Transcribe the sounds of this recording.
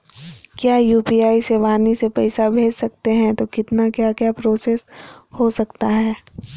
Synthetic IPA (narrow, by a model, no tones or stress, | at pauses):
kjaːjuːpiːaːiseʋaːnisepɛɪsabʱeːd͡ʒsɐkt̪eɦɛ̃t̪okɪt̪nakjaːkjaːpɾoːseshosɐkt̪aɦɛː